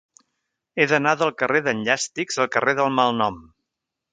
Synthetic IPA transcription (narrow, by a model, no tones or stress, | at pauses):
eðənaðəlˠkəreðənʎast̪ikzəlˠkəreðəlˠmalˠnɔm